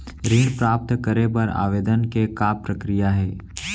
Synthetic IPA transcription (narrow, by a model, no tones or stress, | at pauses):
ɾiːnpɾaːp̚t̪kəɾepɐɾa̰ːʋeːd̪ənkekaːpɾəkɾijaɦɛː